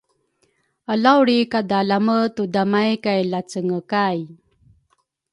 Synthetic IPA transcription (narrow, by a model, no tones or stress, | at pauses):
alawɾikadalamətudamajkajlat͡səŋəkaj